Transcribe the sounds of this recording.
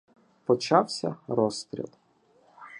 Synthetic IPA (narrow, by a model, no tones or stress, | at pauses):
pɔt͡ʃɑwsʲɐ̰ɾɔst̪ɾʲḭlˠ